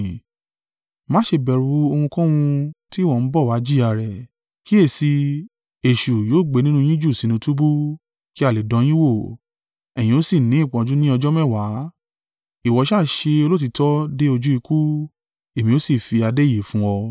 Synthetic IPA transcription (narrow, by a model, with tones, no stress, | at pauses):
mãː˨˦ʃe˧bɛ˨ɾu˧˦o˧hũ˧kɔ̃˦w̃ũ˧ti˦˨wɔ˦˨n̩˦bɔ˦˨wa˨˦d͡ʒi˦a˧˨ɾɛ˨ | ki˦e˦˨si˧ | e˨ʃu˨joː˨˦˨ɡ͡be˨˧nĩ˦nũ˧j̃ĩ˦d͡ʒu˦˨sĩ˨˦nĩ˧tu˦bu˦ | ki˦a˦˨le˨dɔ̃˧˦j̃ĩ˦wo˦˨ | ɛ˨j̃ĩ˧˦o˦si˦˨nĩ˨˦i˦˨k͡pɔ̃˧d͡ʒu˦nĩ˦ɔ˧d͡ʒɔ˦mɛ˦˨wa˨˦ | i˨wɔ˨˧ʃa˦˨ʃe˧o˧lo˦t̬i˧tɔ˦de˦o˧d͡ʒu˦i˧ku˦ | e˨mĩ˧o˦si˦˨fi˧a˧de˦˨je˨fũ˦wɔ˧